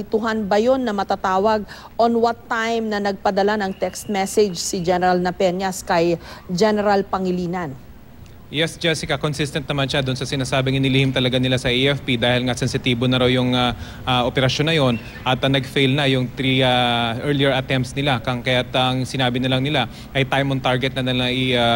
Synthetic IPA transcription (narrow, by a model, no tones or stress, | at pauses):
ɪt̪ʊɦanbɐjo̞nːɐmɐt̪at̪aːwɐɡ̚ | ʔonwɐt̪ːajmnɐnɐɡ̚pɐd̪ɐlanɐŋt̪ɛkst̪̚mɛsɛd͡ʒsɪd͡ʒɛnɛɾɐlnɐpɛnjɐskɐjd͡ʒɛnɛɾɐlpɐŋɪliːnɐn | jɛsd͡ʒɐsɪkɐkonsɪst̪ɐnt̪nɐmanʃad̪ʊnsɐsɪnaːsaːbɪŋɪnɪlihɪmt̪ɐlɐɡanɪlasɐʔiɛfpid̪aːhɪlŋasɛnsɪt̪iːbonɐɾawjʊŋa | ʔaʔopɛɾɐʃjonːɐjo̞n | ʔɐt̪ːɐnɐɡfejlnɐjʊŋt̪ɾiaʔɛɹliɛɹʔɐt̪ɛmpt̪snɪlakɐŋkɐjat̪ɐŋsɪnaːbɪnɐlɐŋnɪla | ʔɐjt̪ajmont̪aɹɡɛt̪̚nɐnɐlaʔɪ